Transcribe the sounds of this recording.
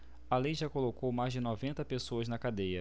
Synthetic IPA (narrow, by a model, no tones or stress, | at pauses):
ɐlejʒakolokowmajzd͡ʒɪnɔvẽnt̪ɐpesoɐznɐkad̪ejɐ